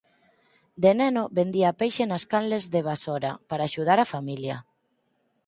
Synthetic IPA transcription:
d̪enɛnoβend̪iaːpejʃenaskanlezðeβ̞asoɾa̰paɾaːʃuð̞aɾafamiljɐ̰

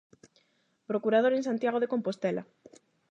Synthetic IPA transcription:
pɾokuɾað̞oɾens̬ãnt̪jaɣ̞oð̞ekompost̪ela̰

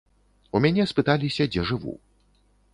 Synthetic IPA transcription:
umʲanʲɛspɨt̪alʲisʲɐd͡zʲɛʐɨvṵ

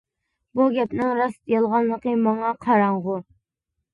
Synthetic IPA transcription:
buɡʲɛpnɪŋɾɑst̪jɑlˠʁɑnlːˠəqəmɑŋɑqʰɑɾɑɴʁʊ

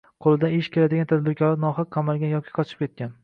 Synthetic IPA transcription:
qʰolˠɪd̪anɪʃkʲe̞lad̪ɪɡʲant̪ʰad̪̚bɪɾkʲʰɒlanɒχɑqʰqʰːɑmalˠɡʲanjɒkʲʰi̥qʰɒt͡ʃʰɪ̥p̚kʲe̞t̪̚kʲan

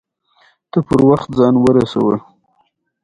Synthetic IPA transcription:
t̪əpəɾwaxt̪̚zɑnwəɾasa̰wə

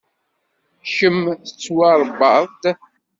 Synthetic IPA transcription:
çəmθət͡sːwɑɾˤbəðˤt̪

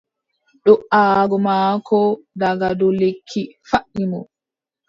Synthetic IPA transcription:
ɗɔʔaːɡɔmaːkʰɔdaɡadɔlekʰːifaʔːimɔ

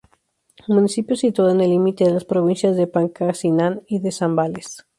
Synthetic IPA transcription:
mũnisipjosit̪waðoenelːimit̪eðelaspɾoβ̞insjazðepaŋkasinaniðesambales

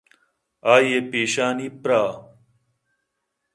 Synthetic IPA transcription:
aːjepeːɕaːniːpɾaː

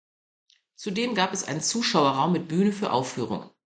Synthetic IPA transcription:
t͡sudeːmɡaːpɛsʔa̰ɪnənt͡suːʃaʊɐʁaʊmːɪt̚b̥yːnəfyːɐʔa̰ʊfyːʁ̞ʊ̰ŋ

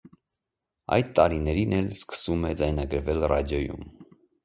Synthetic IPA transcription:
ɑ̰jd̪̚t̪ɑɾinɛɾinɛlskə̥sumɛd͡zɑjnɑɡəɾvɛlrɑ̰d̪jɔjṵm

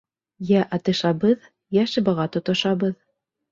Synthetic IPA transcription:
jæʔɑt̪ɤ̆ʃɑbɤð | jæʃɘ̆bɑʁɑt̪ŏt̪ŏʃɑbɤð

